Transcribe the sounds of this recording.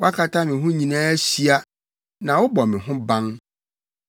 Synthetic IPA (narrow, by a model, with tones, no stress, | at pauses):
wa˦kʰa˦tʰa˦mɪ̃˨ɦʊ̃˦ɲĩ˨nãː˦ɕi˦a˦ | nã˨wʊ˦bɔ˨mɪ̃˨ɦʊ̃˦bã˦ŋ